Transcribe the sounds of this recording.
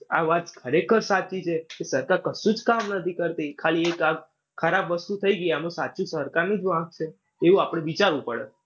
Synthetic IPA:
aʋat̪kʰəɾekʰəɾsat͡ʃit͡ʃʰekesəɾkaɾkəsũd͡ʒkamnət̪ʰikəɾt̪ikʰaliekak | kʰːəɾabʋəst̪ut̪ʰəiɡəiamõsat͡ʃũsəɾkaɾnid͡ʒʋãɡ̚t͡ʃʰe | eʋũapɽ̃eʋit͡ʃaɾʋũpəɽḛ

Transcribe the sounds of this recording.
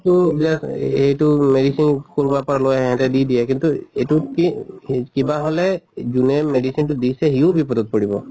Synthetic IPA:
tubilaetumedisinkɔɹubapɔalojɦɛ̃t̪ɛd̪id̪ijɛkint̪uetukihkibaɦolɛd͡ʒunɛmeɖisintud̪isɛɦiũbipɔd̪ɔt̪̚pɔɽibɔ̰

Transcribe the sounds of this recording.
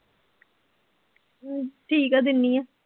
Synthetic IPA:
ʈʰiːkɛːd̪ɪnːijɛː

